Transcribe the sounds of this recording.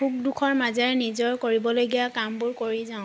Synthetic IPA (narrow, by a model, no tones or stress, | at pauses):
uk̚dukʰɔɹmazɛɹnizɔɹkoɹibɔlojɡijakambuɹkoɹizaʊ̃